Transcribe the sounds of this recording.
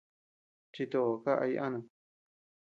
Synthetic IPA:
t͡ʃi˧t̪o˧o˨ka˦ʔa̰˧i˦˧ʔa˦nã˧

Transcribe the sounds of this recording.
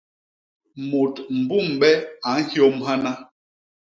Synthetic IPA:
mo˨tm̩˨bu˦˨mɓɛ˦a˨˦n̩˦hjo˦mɦa˦na˦

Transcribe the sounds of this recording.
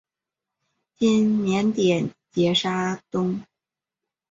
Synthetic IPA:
t͡ɕi˥˩nnjɛ˧˥nt̪jɛ˨˩˦nt͡ɕjɛ˧˥ʂa˥t̪ʊ˥ŋ

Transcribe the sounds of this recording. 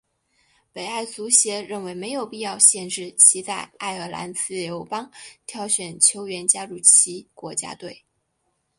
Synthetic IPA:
pe˨˩ɪa˥˩ɪt͡su˧˥ɕjɛ˧˥ɻə˥˩nwe˧˥ɪme˧˥ɪjo˨˩ʊpi˥˧jɑ˥˧ʊɕjɛ˥˧nʈ͡ʂɻ̩˥˩t͡ɕʰi˧˥t͡sa˥˧ɪa˥˩ɪə˞˧˥la̰˧˥nt͡sɹ̩˥˩jo˧˥ʊpɑ˥ŋt̪ʰjɑ˧˥ʊɕɥɛ˨˩nt͡ɕʰjo˧˥ʊɥɛ˧˥nt͡ɕja˥ɻu˥˩t͡ɕʰi˧˥kwɔ˧˥t͡ɕja̰˥t̪we˥˩ɪ

